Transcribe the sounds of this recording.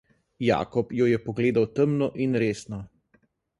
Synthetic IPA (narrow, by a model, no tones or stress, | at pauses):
ja̰ːkɔpjɔjɛpɔɡleːd̪awt̪əmnɔʔinɾeːsnɔ